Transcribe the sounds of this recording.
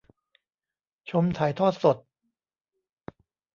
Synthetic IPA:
t͡ɕʰo˧mt̪ʰaː˨˩˦jt̪ʰɔː˥˩t̪̚so˨˩t̪̚

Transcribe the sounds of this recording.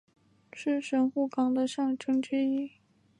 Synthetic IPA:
ʂɻ̩˥˩ʂə˧˥nxu˥˩kɑ˧˥ŋd̪ə˧ʂɑ˥˩ŋʈ͡ʂʰɤ˥ŋt͡ɕɛ˥i˥˩

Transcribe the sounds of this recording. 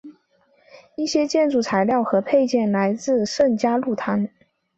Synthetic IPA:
i˥˩ɕjɛ˥t͡ɕjɛ˥˧nʈ͡ʂu˥˩t͡sʰa˧˥ɪljɑ˥˩ʊxɤ˧˥pʰe˥˧ɪt͡ɕjɛ˥˩nla˧˥ɪt͡sɹ̩˥˧ʂə˥˩nt͡ɕja˥lu˥˩t̪ʰa˧˥n

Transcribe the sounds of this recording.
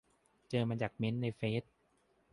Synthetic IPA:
t͡ɕɤː˧maː˧t͡ɕaː˨˩k̚me˦˥nːa˧jfeː˦˥t̪̚

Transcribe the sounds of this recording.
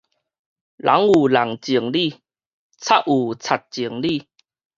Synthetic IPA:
lʔa̰˨˦ŋu˨˩la˨˩ŋt͡ɕi˨˩əŋli˥˧ | t͡sʰa˦˩ʔ̚u˨˩t͡sʰa˨˩t̚t͡ɕi˨˩əŋli˥˧˨

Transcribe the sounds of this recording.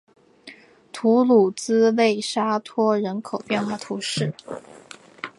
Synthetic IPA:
t̪ʰu˧˥lu˨˩t͡sɹ̩˥we˥˩ɪʂa˥t̪ʰwɔ˥ɻə˧˥nkʰo˨˩ʊpjɛ˥˧nxwa˥˩t̪ʰu˧˥ʂɻ̩˥˩

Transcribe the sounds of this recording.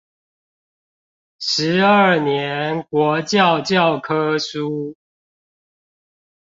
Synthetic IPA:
ʂɻ̩˨˦ə˥˩njɛ˨˦nkwɔ˨˦t͡ɕjɑ˥˨ʊt͡ɕjɑ˥˨ʊkʰɤ˦su˦

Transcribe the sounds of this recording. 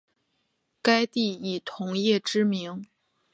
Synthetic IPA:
ka˥ɪt̪i˥˩i˨˩t̪ʰʊ˧˥ŋjɛ˥˩ʈ͡ʂɻ̩˥mi˧˥ŋ

